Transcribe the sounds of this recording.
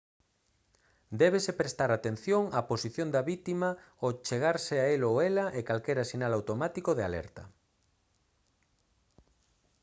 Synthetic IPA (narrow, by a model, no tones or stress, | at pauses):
d̪ɛβ̞esepɾest̪aɾat̪en̟θjoŋaposiθjond̪aβit̪ima | ot͡ʃeɣaɾseaeloelaʔekalkɛɾasinalawt̪omat̪ikoðea̰lɛ̰ɾt̪ɐ